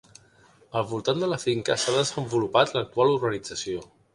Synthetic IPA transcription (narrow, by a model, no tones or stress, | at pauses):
əlˠβulˠt̪and̪ələfiŋkəsaðəzəmbulupat̪lək̚t̪ualuɾɣənid͡zəsio